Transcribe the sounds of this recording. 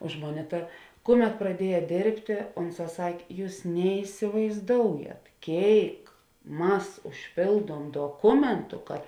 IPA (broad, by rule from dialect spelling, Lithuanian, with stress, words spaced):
ˈʊʃ moːˌnʲeː ˈtɐ ˈkʊˌmʲɛt prɐˈdʲiɛjɛ ˈdʲeːrʲpʲtʲeː ˈʊnˌsɑː ˈsɐkʲ ˈjuːs nʲɛɪsʲɪʋɐɪzˈdoːʊjɛt ˈkʲeːɪk ˈmɐs ʊʃʲˈpʲeːlˠduɔm doːˈkʊmʲɛntʊ kɐt